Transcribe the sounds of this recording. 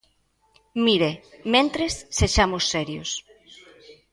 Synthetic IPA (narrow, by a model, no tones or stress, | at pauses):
miɾemẽnt̪ɾesːeʃamosːɛɾjos